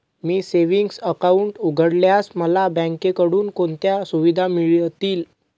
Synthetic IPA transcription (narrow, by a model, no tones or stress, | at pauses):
miːseʋiŋɡsəkauɳʈuɡʱəɽljasməlabãŋkekəɽuːnkoɳt̪jasuʋid̪ʱamiɭt̪iːl